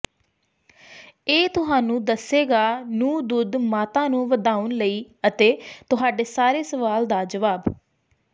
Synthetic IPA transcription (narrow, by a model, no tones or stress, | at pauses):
eːt̪ʊɦaːnũːd̪əsːeːɡaːnũːd̪ʊd̪maːt̪ãːnũːʋəd̪aːʊnləiːət̪eːt̪ʊɦaːɖeːsaːɾeːsəʋaːld̪aːd͡ʒəʋaːb